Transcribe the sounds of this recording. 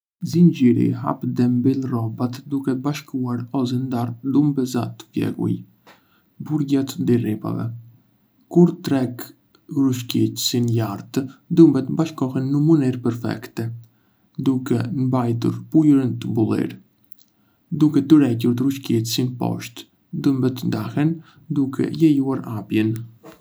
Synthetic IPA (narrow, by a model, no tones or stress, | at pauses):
zind͡ʒiɾḭha̰pd̪ɛmbilrɔbat̪d̪ukɛbaʃkuaɾɔz̬ɛnd̪aɾd̪umbɛzat̪ə̥pjɛ̰ɡṵj | buɾɟat̪d̪iripa̰vɛ̰ | kuɾt̪ɾɛk | ruʃkitsinjaɾt̪d̪umbɛt̪əbaʃkɔɦɛnːəmənɛɾpɛɾfɛ̰kt̪ɛ | d̪ukɛmbajt̪̬ṵɾpujuɾənt̪əbulˠḭɾ | d̪ukɛt̪əɾɛcuɾt̪ɾuʃkitsinpɔ̰ʃt̪ | d̪umbɛt̪ənd̪ahɛn | d̪ukʰɛ̰jɛjuaɾapjɛn